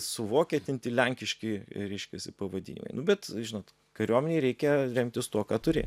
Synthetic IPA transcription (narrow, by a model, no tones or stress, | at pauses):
sʊʋoːkʲɛt̪ʲɪnt̪ʲilʲɛŋʲkʲɪʃʲkʲɪɾʲɛɪʃʲkʲɛsʲɪpɐʋɐd̪ʲḭnʲɪ̰mɐ̰ɪnʊbʲɛt̪ʒʲɪnoːt̪ | kɐɾʲuɔmʲɛnʲeːɾʲɛɪkʲɛɾʲɛmʲt̪ʲɪst̪uɔkɑːt̪ʊɾʲɪ̰